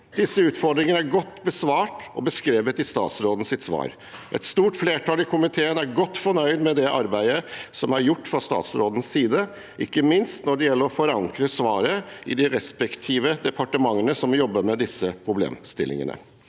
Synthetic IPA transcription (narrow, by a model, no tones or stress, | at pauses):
d̪ɪsːəʉːt̪fɔɾɖ̪ɾɪŋənəæɾɡɔt̪ːbəsʋɑːʈɔ̰bəskɾeːʋət̪ɪst̪ɑ̰ːt̪sɾoːd̪n̩sɪt̪sʋɑ̰ːɾ | ʔɛ̰t̪st̪uːʈfleːʈʰɑːlɪkʰʊmɪt̪ʰeːənæɾɡɔt̪ːfɔɳœʏd̪mɛd̪ɛʔɑɾbæɪəsɔmæɾjʊʈːfɾɑst̪ɑ̰ːt̪sɾoːd̪ən̩ssiːd̪ə | ʔɪkːəmɪnst̪nɔɖɛjɛlːəɾɔfɔɾɑŋkɾəsʋɑːɾəɪd̪ɪɾɛspɛkt̪ʰiːʋəd̪ɛpʰɑʈəmɑŋːənəsɔmjɔbːəɾmɛd̪ɪsəpʰɾʊblḛːmst̪ɪ̰lːɪ̰ŋə̰nə̰